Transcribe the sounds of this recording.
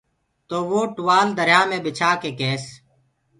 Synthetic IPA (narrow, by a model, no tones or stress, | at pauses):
t̪oːʋoːʈʊʋaːld̪əɾjaːmẽːbɪt͡ʃʰaːkeːkeːs